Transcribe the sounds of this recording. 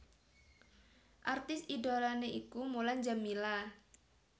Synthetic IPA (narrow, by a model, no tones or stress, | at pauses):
ʔart̪ɪsidolaneikumolaɲd͡ʒamila